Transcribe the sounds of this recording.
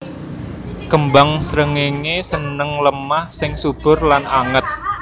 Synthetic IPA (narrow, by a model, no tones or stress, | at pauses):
kəmbaŋsɾəŋeŋesənəŋləmahsɪŋsub̥ʊ̤rlanaŋət̪̚